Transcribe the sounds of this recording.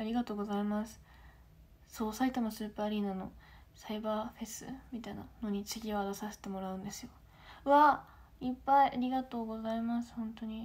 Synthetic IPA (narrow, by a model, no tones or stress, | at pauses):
aɾʲiɡat̪oːɡo̞zaimasɨ̥ | so̞ːsait̪amasɨːpːaːɾʲiːnano̞̰ | saibaːɸe̞sɨ̰mʲit̪aina̰no̞ɲ̟it͡ɕɨɡʲiβaɡ̪asase̥t̪e̞mo̞ɾaɯ̟̃nd̪esɨ̥jo̞ | ɯβa | ipːaiʔaɾʲiɡat̪o̞ːɡo̞zaimasɨ̥hõ̞nt̪o̞ɲ̟i